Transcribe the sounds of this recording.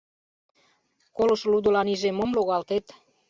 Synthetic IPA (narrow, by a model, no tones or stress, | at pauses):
kolŏʃlud̪ŏlɑniʒemomloɣɑlt̪et̪